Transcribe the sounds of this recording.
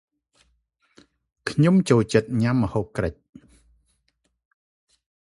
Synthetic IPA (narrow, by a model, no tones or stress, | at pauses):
kʰɲomt͡ɕoːlt͡ɕət̪̚ɲamːəhoːp̚krəc̚